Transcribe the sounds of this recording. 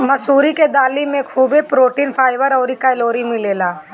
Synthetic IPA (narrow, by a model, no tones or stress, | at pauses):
mɐsuːɾiked̪aːlimẽkʰuːbepɾoːʈiːnpʰaːɪʋəɾɔːɾikaloːɾimɪleːlaː